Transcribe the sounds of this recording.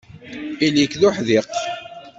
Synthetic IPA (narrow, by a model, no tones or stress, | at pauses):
ilikːðʊħðiq